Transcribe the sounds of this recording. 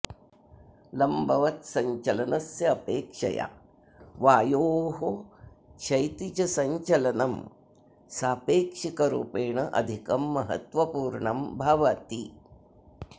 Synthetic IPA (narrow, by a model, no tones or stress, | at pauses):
lɐmbʱɐʋɐt̪sɐɲt͡ʃɐlɐnɐsjɐːpeːkʂɐ̰ja̰ | ʋaːjoːɦo | t͡ʃʰɐjt̪it͡ʃɐsɐɲt͡ʃɐlɐnɐm | saːpeːkʂikɐɾṵːpeːɳɐʔɐ̰d̪ʱikɐmːɐɦɐ̰t̪ʋɐpuːɾɳɐmbʱɐʋɐt̪i